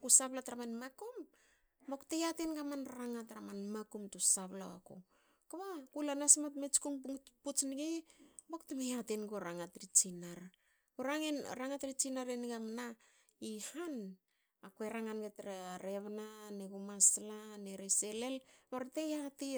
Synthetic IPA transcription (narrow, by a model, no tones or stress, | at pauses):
kusaβlatɾamanmakum | boktejatenɡamanɾaŋatɾamanmakumtusaβla̰a̰ko̰ | kaβakulanasmatmet͡ʃkuŋpput͡ʃnɡeboktemejatenɡoɾaŋatɾit͡ʃinaɾ | oɾaŋenɾaŋatɾit͡ʃinaɾenɡamna | ihan | akueɾaŋanɡetɾaɾeβnaneɡumaslaneɾesele̞lmaɾtejati